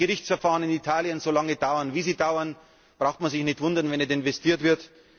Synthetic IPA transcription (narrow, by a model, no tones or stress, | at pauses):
ɡəʁɪçt͡sfɛɐfaːʁənɪnitʰaːljənzoːlaŋədaʊɐnviːziːdaʊɐn | b̥ʁaʊxtmanzɪçnɪçtv̥ʊndɐnvɛnɛtɪnvɛstʰiːɐtv̥ɪɐt